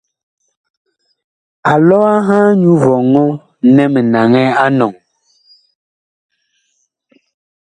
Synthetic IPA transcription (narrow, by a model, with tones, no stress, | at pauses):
a˨lɔ˦a˦ɦãː˦ɲu˦vɔ˨ŋɔ˦ | nɛ˦mɛ˨na˨ŋɛ˦a˦nɔ˨ŋ